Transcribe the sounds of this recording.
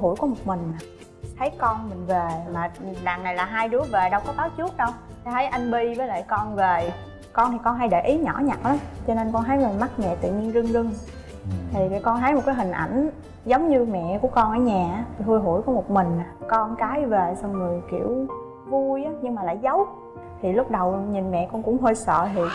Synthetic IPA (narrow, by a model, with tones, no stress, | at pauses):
ɦu˧˩jku˨˩˦mo˨˩t̚mï˨˩ŋ̟aː˨˩ | t̪ʰə˨˦jkɔ˧nmï˨˩ŋ̟ve˨˩maː˨˩ɗaː˨˩ŋna˨˩jlaː˨˩ɦaː˧jɗu˨˦əve˨˩ɗə˧wkɔ˨˦t̪aː˨˦t͡ɕu˦˥ət̚ɗə˧w | t̪ʰi˨˩t̪ʰə˨˦jʔa˧jŋɓi˧vəː˨˦jlə̰ː˧˨jkɔ˧nve˨˩ | kɔ˧nt̪ʰi˨˩kɔ˧nɦa˧jɗe˧˩ʔi˨˦ɲɔ̰˧˩˥ɲa˨˩t̚ɗɔ˨˦t͡ɕɔ˧ne˧nkɔ˧nɦa˨˦jma˨˩ma˦˥t̚mɛ̰˧˨t̪ɨ̰˧˨ɲi˧nzɨ˧ŋzɨ˧ŋ | t̪ʰi˨˩˨kɔ˧nɦa˨˦jmo˨˩t̚kaː˨˦jɦï˨˩ŋ̟ʔa˧˩jŋ̟ | zə˨˦wŋ͡mɲɨ˧mɛ̰˧˨ku˧˩əkɔ˧nʔəː˧˩˦ɲaː˨˩˨hu˧jɦṵ˧˩jkɔ˨˦mo˨˩t̚mï˨˩ŋ̟a˨˩kɔ˧nkaː˨˦jve˨˩sa˧wmɨ˨˩əjkḭ˧˩əw | vu˧jʔaː˨˦ɲɨ˧ŋŋ͡mmaː˨˩la̰ː˧˩˨jzə˨˦w | t̪ʰi˨˩lʊ˦˥k͡p̚ɗə˨˩wɲi˨˩nmɛ̰˧˨kɔ˧nkʊ̰˧˥ŋ͡mɦoː˧jsə̰ː˧˨t̪ʰi˨˩